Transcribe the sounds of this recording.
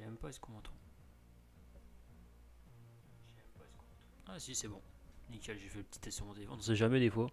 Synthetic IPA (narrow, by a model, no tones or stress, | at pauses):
ʒɛmpaɛskɔ̃mɑ̃t̪ʰɑ̃ | ʒɛmpask̪ | asisɛbɔ̃ | nikʲɛlʒefɛləpət̪i̥t̪ɛst̪ɔ̃mɔ̃t̪eefɔ̃ñsɛʒamɛd̪efwa